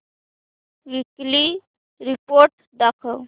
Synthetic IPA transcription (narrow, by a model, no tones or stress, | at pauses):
ʋikli | ɾipoɾʈ | d̪əkʰəw